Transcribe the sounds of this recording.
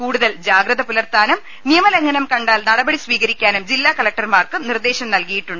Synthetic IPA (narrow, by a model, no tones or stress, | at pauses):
kuːɽuðɐld͡ʑaːɡɾɐðɐpulɐrt̪aːnum | nijɐmɐleŋːɐnɐmkɐɳɖaːlnɐɽɐbɐɽisʋiːɣɐɾikʲːaːnumd͡ʑilːaːkɐlɐk̚ʈɐrmaːrkɨmnird̪e̞ːɕɐmnɐlkɐjiʈːuɳɖɨ